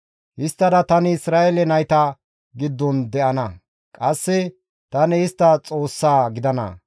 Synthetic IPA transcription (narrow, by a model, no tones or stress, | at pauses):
hɪst̪ːɐd̪ɐt̪ɐnɪɪsɾaːʔelɛnɐjt̪ɐ | ɡɪd̪ːɔnd̪ɛʔɐnɐ | kʼɐsːɛ | t̪ɐnɛɪst̪ːɐt͡sʼo̞ːsːaːɡɪd̪ɐnɐ̰